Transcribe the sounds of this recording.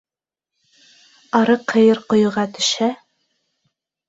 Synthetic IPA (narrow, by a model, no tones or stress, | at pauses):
ɑɾɤqʰɤ̆jɤɾqŏjŭʁɑt̪ʰɵ̥̆ʃæ